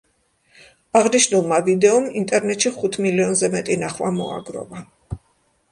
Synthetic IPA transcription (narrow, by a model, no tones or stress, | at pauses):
aʁniʃnulˠmavid̪ɛɔmint̪ʼɛɾnɛt̪ʃiχut̪ʰmiliɔnzɛmɛt̪ʼinaχwamɔ̰a̰ɡɾɔ̰va